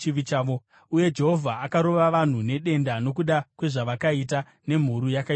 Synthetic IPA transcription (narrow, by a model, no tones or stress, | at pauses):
iʋit͡ʃaːʋo | uje̞d͡ʒe̞ɦo̞vʱaːkaɾo̞ʋaʋan̤une̞ɗe̞ndano̞k̬uɗakwe̞ʐaʋakaita | ne̞m̤uɾujakai